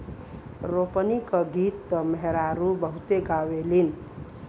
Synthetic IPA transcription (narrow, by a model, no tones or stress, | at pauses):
ɾopənikəɡit̪ːʌmʌɦeɾaɾubəɦut̪eɡawelin